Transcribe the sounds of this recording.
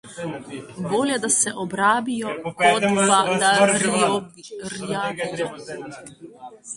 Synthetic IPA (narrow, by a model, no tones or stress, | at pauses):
boljɛd̪asɛʔɔbɾaːbijɔkɔt̪ad̪a | ɾjaijɔ